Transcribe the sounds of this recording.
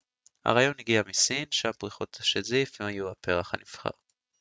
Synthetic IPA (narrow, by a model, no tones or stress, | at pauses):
ha̰ʁaːjo̞niɡiamisinʃampʁiχot̪aʃezifvemhajuape̞ʁaχha̰nifχa̰ʁ